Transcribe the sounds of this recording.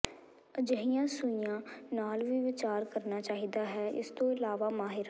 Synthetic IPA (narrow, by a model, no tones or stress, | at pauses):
əd͡ʒəɦijãːsʊijãːnaːlʋiːʋɪt͡ʃaːɾkəɾnaːt͡ʃaːɦiːd̪aːɦɛːʔɪ̰st̪õːɪlaːʋaːmaːɦɪɾa